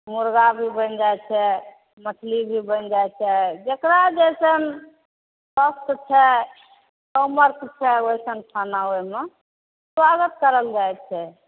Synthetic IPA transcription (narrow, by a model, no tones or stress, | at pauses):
muɾɡabʱibənd͡ʒajt͡ʃʰɛ | mətʰlibʱibənd͡ʒajt͡ʃʰɛd͡ʒekɾad͡ʒɛjsən | bəst̪t͡ʃʰɛ | səməɾk̪t͡ʃʰɛojsənʈʰanaoime | swaɡət̪̚kəɾəld͡ʒaj̪t͡ʃʰɛ